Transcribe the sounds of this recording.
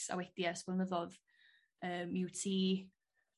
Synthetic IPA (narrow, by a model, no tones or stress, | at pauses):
sa̰wɛd̥jɛsb̥ɛlˠnəðɔð | əːmɪwtʰiː